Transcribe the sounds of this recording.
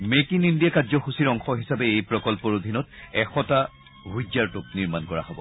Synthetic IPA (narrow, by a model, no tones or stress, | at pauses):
mekinindijakazɔxusiɹɔŋxɔɦisabɛejpɹɔkɔlpɔɹod̪ʱinɔtɛxɔta | ɦud͡ʒaɹtʊk̚niɹmankɔɹa̰ɦobɔ̰